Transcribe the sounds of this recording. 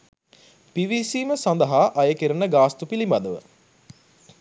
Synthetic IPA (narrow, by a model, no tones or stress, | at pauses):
piʋisiːməsand̪əɦaːʔɐjəkiɾənəɡaːst̪upilimbad̪əʋə̰